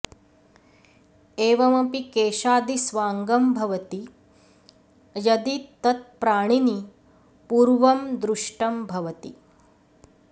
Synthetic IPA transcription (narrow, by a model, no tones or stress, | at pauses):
eːʋɐmɐpikeːʃaːd̪isʋaːŋɡɐmbʱɐʋɐt̪i | jɐd̪it̪ɐt̪̚pɾaːɳ̃ini | puːɾʋɐmd̪ɾuʂʈɐmbʱɐʋɐt̪ḭ